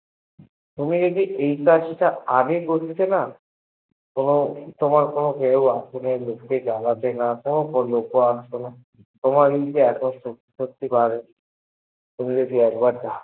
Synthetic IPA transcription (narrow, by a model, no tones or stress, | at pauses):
t̪umid͡ʒod̪iʔejkaʃiʈaamikotʰt͡ʃʰena | konot̪omaɾkonokewasʰonelokːed͡ʒalat̪enat̪onokolokoasena | t̪omaɾet̪eɛkoso | ʃokt̪ːipaɾe | t̪umid͡ʒod̪iɛkbaɾd͡ʒa